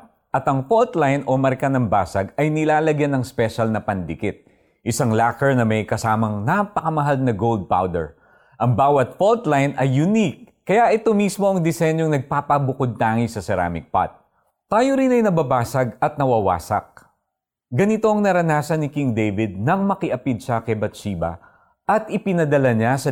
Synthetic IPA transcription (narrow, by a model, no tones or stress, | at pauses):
ʔɐt̪ɐŋfolt̪lajnʔomɐɾkɐnɐmba̰ːsɐɡɐjnɪlaːlɐɡjanɐŋspɛʃɐlnɐpɐnd̪ɪkɪt̪̚ | ʔɪsaŋlaːkɛɹnɐmɐjkɐsaːmɐŋnapɐkɐmɐɦalnɐɡowld̪̚pa̰wd̪ɛ̰ɹ | ʔɐŋbaːwɐt̪̚folt̪lajnɐjːʊnik̚ːɐjaʔɛt̪o̞mismo̞ʔɐŋd̪ɛsɛɲjo̞ŋnɐɡ̚paːpɐbʊkod̪̚t̪aːŋisɐsɛɾa̰mɪ̰k̚pa̰t̪̚ː | aːjoɾinɐjnɐbɐbaːsɐɡɐt̪̚nɐwɐwa̰ːsɐ̰k̚ | ɡɐnit̪o̞ʔɐŋnɐɾɐnaːsɐnɪkiŋd̪ejvɪd̪̚nɐŋmɐkɪʔɐpid̪̚ʃɐkɛbɐt̪̚t͡ʃiːbɐ̰ | ʔɐt̪ʔɪpɪnɐd̪ɐlɐɲasɐ